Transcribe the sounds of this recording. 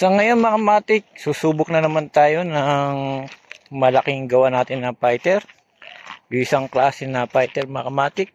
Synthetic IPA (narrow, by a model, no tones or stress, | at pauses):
sɐŋɐjo̞nmɐkamaːt̪ɪk̚suːsuːbʊk̚nɐnɐmant̪aːjonɐŋ | mɐlɐkɪŋɡɐwanaːt̪ɪnːɐpajt̪ɛɾ | jʊŋʔɪsaŋklaːsɛnɐpajt̪ɛɾmɐkɐmaːt̪ɪk̚